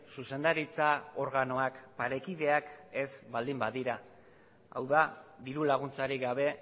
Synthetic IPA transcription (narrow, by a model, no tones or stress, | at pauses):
suse̞nd̪aɾit͡sao̞ɾɣano̞akpaɾe̞kið̞e̞ake̞sbald̪imbaðiɾa | a̰wðaðiɾulaɣunt͡saɾiɣaβ̞e̞